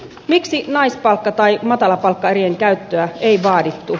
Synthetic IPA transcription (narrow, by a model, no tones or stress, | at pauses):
miksinɑispɑlkːɑt̪ɑjmɑt̪ɑlɑpɑlkːɑeɾieŋkæyt̪ːøæejʋɑːdit̪ːu